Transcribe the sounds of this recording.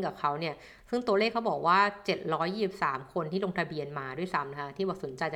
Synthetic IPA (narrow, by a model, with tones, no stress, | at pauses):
ŋka˨˩p̚kʰa˦˥wni˥˩ɐ | sɯ˥˩ŋt̪u˧ə˧leː˥˩k̚ʰːa˦˥wbɔː˨˩k̚waː˥˩t͡ɕe˨˩t̪̚ɾɔː˦˥jːiː˥˩si˨˩p̚saː˩˦mkʰo˧nt̪ʰiː˥˩lo˧ŋt̪ʰa˧bi˧ənmaː˧du˥˩jsa˦˥mna˧kʰa˧˥t̪ʰiː˥˩bɔː˨˩so˩˦nt͡ɕa˧jt͡ɕa˨